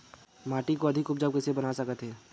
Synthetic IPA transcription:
maːʈikoɐd̪ʱɪkːʊp̚d͡ʒəbkɛsebɐnasɐkət̪ɦɛː

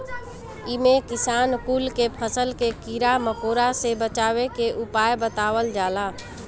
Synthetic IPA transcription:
ɪmekɪsaːnkuːlkepʰəsəlkekiɾaməkoːɾasebət͡ʃaːwekeʔʊpaːjbət̪aːwəld͡ʒaːlaː

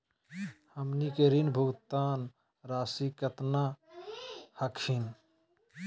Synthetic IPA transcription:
həmnikeɾinbʱuɡt̪aːn | ɾaːsikət̪na | həkʰin

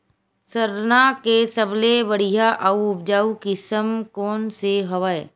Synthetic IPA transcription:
səɾnakesəblebəɽ̤iɦaʔəuʊbd͡ʒaːukɪsəmkoːnseɦəʋae

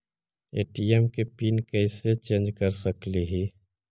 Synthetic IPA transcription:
ḛːʈiɛmkepiːnkɛɪset͡ʃẽːnd͡ʒkəɾsəkliɦiː

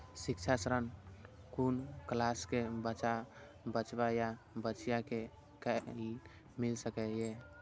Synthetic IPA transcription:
sik̚t͡ʃʰasɾən | kunklaskebət͡ʃa | bət͡ʃbajabət͡ʃjake | kəi | milsəkɛje

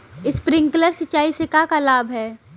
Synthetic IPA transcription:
ɪspɾɪ̃ŋkləɾsɐtːt͡ʃːaːisekakalaːbʱɦɛː

